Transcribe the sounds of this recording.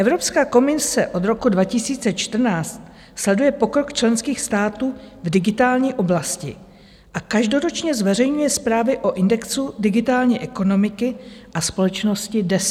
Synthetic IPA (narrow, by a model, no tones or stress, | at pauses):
ʔɛvɾo̞pskaːko̞mɪsɛʔo̞d̪ɾo̞kudvacɪsiːt͡sɛt͡ʃt̪r̩naːt͡st̪ | slɛdujɛpo̞kɾo̞kt͡ʃlɛnskiːxst̪aːt̪uːvdɪɡɪt̪aːlɲiːʔo̞blascɪ̰ | ʔakaʒdo̞ɾot͡ʃɲɛzvɛr̝ɛjɲujɛspɾaːvɪʔo̞ʔɪndɛksudɪɡɪt̪aːlɲiːʔɛko̞no̞mɪkɪʔaspo̞lɛt͡ʃno̞scɪdɛs